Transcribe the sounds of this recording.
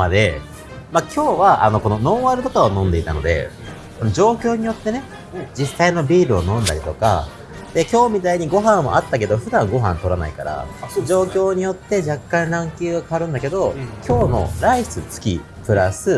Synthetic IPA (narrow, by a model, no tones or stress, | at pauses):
mad̪e̞̰ | makʲʰo̞ːβaʔano̞ko̞no̞no̞ːβaɾɯ̟t̪ok̪aonõ̞nd̪e̞it̪ano̞d̪e̞̰ | so̞nod͡ʑo̞ːkʲo̞ːɲ̟ijo̞t̪ːe̞ne̞ | d͡ʑisːaino̞bʲiːɾɯ̟onõ̞nd̪aɾʲit̪o̞ka̰ | d̪̥e̞kʲo̞ːmʲit̪aiɲ̟iɡo̞ɦãɰ̃mo̰ʔat̪ːak̬e̞d̪o̞ɸɯ̟d̪ãŋɡo̞ɦã̰nt̪o̞ɾana̰ikaɾa̰d͡ʑo̞ːkʲo̞ːɲ̟ijo̞t̪ːe̞d͡ʑakːãnɾãŋkʲɨːɡakaaɾɯ̟̃nd̪ake̞d̪o̞kʲʰo̞ːno̞̰ɾai̥t͡sɨt͡sɨ̥kʲḭ | pɯ̟ɾasɨ